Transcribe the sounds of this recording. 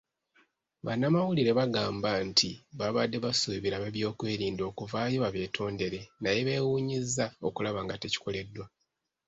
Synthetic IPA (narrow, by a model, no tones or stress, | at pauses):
βanːamawuliɾe̞βaɡaːmbantʰiβaβadːe̞βasuβiɾaβeβjo̞ːkwe̞ːɾiːndo̞ːkuvaːjo̞βaβe̞ːtʰo̞ːnde̞ɾe̞naje̞βe̞ːwuːɲizːao̞̰kulaβaŋɡate̞ci̥kʰo̞le̞dːwa